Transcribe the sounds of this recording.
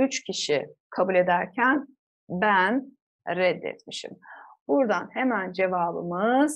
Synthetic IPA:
yt͡ʃcʰiʃikʰabulʲe̞d̪æɾcʰæn | bæn | ɾɛd̪ːɛ̰t̪miʃḭmbuɾd̪anhe̞mænd͡ʒe̞vaːbɯ̰mɯz̥

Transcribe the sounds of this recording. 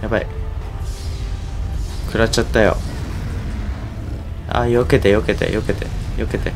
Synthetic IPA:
jabaḭ | kɯ̟ɾat͡ɕat̪ːajo̞̰ | a̰joke̞t̪e̞jo̞ke̞t̪e̞̰joke̞t̪e̞̰joke̞t̪e̞

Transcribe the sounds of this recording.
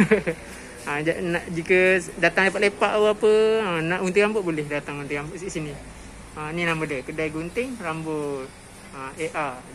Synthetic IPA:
əd͡ʒanaʔd͡ʒikədat̪aŋlepat̪ʔ̚lepaʔawapəənaʔunt̪ɪɾambʊtʔ̚bolɛhdat̪aŋunt̪ɪɾambʊʔsisini | əninamədəkədajɡunt̪ɪŋrambʊt̪̚ | əeʔa

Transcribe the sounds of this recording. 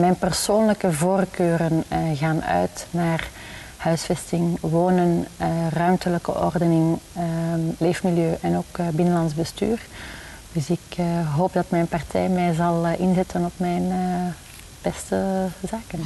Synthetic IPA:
mɛjnpərsoːnləkəvoːrkøːɾənɣaːnœ̰ɥtnaːr | hœɥsfɛstɪŋwoːnənrœɥmtələkə̰ʔɔ̰rdənɪŋəleːfmiljøːʔɛnoːkbɪnənlɑnzbəsty̰ːr | d̥ʏsɪkːɦoːp̚dɑtmɛjnpɑrtʰɛ̰jmɛjzɑlˠʔɪnzɛtənɔpmɛjn | b̥ɛstəzaːkən

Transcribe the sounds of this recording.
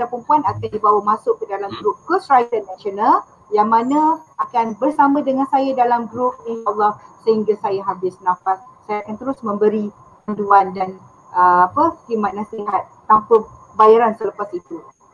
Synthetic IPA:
dapəmpuanakandibawamasʊʔkːədalamɡɾup̚kəsɹajtənaʃonal | jaŋmãnãʔakanbərsamãdəŋansajadalamɡɾup̚niʃlːɔhsəhiŋɡasajaɦabɪsnãfassajaakant̪əɾʊsmə̃mbəɾi | panduandan | ʔəapəkimat̪̚nãsəiɦat̪̚ːampə | bajaɾansələpasit̪u

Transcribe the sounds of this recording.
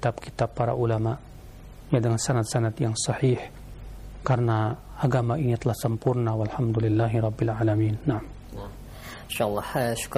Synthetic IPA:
t̪ab̚ki̥t̪abːaɾa̰ʔulamaʔ | jadəŋansanat̪̚sanat̪jaŋsɑħiħ | karəna | aɡamainit̪əlahsəmpurnawalħamd̪ulilːaɦiɾˤɑbːilʕalamiːnːaʕam | nʃalˠˤːɑhʃu̥k

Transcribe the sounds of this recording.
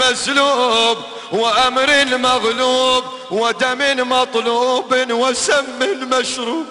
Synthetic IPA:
aslub | wɪʔamɾiːnlmaɣluːb | wad̪amiːnmɑt̪ˤluʔuːbinwasamːilmaʃɾuːb

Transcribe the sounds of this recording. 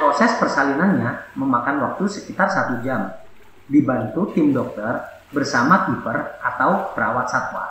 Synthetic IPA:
pɾosɛspərsalinanɲaməmakanwak̚t̪usəkit̪arsat̪ud͡ʒam | dibant̪ut̪ɪmdɔk̚t̪ər | bərsamakipərʔat̪awbəɾawat̪̚sat̪wa̰

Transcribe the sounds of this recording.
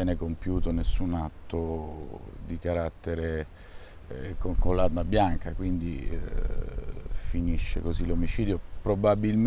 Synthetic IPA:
ɛːnekompjuːt̪onesːunat̪ːo | d̪ikaɾat̪ːeɾe | kokonlarmabjaŋkakwind̪i | finiʃːḛkozilomit͡ʃiːd̪jopɾobabilm

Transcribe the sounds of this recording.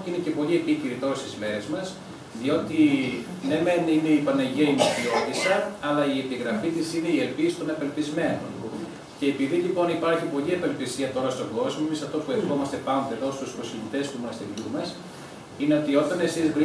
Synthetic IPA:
ine̞ce̞po̞lie̞piciɾit̪o̞ɾɐst̪izme̞ɾe̞zmɐs | ðio̞t̪inemenineipɐnɐʝeimɐθio̞t̪isɐɐlɐie̞piɣɾɐfit̪isine̞ielpisi̥t̪o̞nɐpe̞lpizme̞no̰n | ce̞ːpiðilipo̞nipɐɾçipo̞liɐpe̞lpisiɐt̪o̞ɾɐst̪o̞ŋɡo̞zmoemisɐft̪o̞pue̞fxo̞mɐst̪e̞pɐnot̪eðo̞st̪usposcinit̪e̞sp̪umonɐst̪emit̪umɐs | ine̞o̞t̪io̞t̪ɐne̞sizɣ

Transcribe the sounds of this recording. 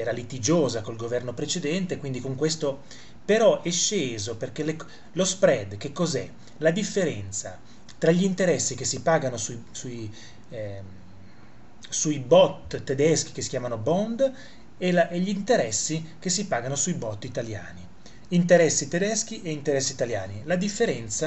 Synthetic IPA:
ɛːɾalit̪id͡ʒoːzakolɡovɛrnopɾet͡ʃed̪ɛnt̪ekwind̪ikoŋkwest̪o | peɾɔʔɛʃːeːzoperkele | lospɾɛd̪k̟ekːozɛ̰ | lad̪ifːeɾɛnt̪sa | t̪ɾaʎːint̪eɾɛsːik̟esːipaːɡanosusui | suibɔt̪t̪ːed̪ɛsk̟i̥kesːi̥kʲjaːmanobɔnd̪ | ɛlaɛʎːint̪eɾɛsːikesːipaːɡanosuibɔt̪ːit̪alja̰ːni | int̪eɾɛsːit̪ed̪ɛsk̟iʔeint̪eɾɛsːiːt̪alja̰ːnilad̪ifːeɾɛnt̪sa

